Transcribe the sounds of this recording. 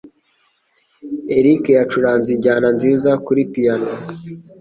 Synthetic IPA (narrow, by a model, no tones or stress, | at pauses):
eɾikejat͡ʃuɾaːnziɟaːnanziːzakuɾipijana